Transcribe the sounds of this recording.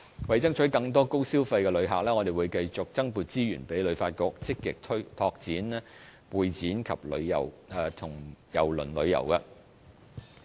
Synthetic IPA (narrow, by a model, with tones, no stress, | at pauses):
wɐ˨jt͡sɐ˥ŋt͡ʃʰɵ˨˥kɐ˧ŋt̪̬ɔː˥ko˥wsiː˥wfa˧jkɛː˧lɵ˨˧ɥɦa̰ː˨k̚lɛː˥ŋɔ˨˧t̪e˨˩wuː˨˧jkɐ˧jt͡sʊ˨k̚t͡sɐ˥ŋpuː˨t̚t͡siː˥jy̰ː˨˩npe˨˥jlɵ˨˧ɥfaː˧t̚kɔː˧k̚t͡sɪ˥kːɪ̰˨k̚t̪ʰt̪ʰɔː˧k̚t͡siː˨˥nlɛ˥ | wuː˨jt͡siː˨˥nkʰɐ̰˨p̚lɵ˨˧ɥjɐ̰˨˩wɛː˨t̪ʰʊ˨˩ŋjɐ̰˨˩wlɵ˨˩nlɵ˨˧ɥjɐ̰˨˩wkɐ˧